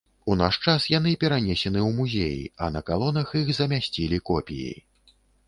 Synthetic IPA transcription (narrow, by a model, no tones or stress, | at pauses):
una̰ʂt͡ʂasjan̪ɨpʲɛɾanʲesʲɛnɨumuzʲḛjḭɐ̰nɐkalˠɔnɐxixzɐmʲasʲt͡sʲilʲikɔpʲijḭ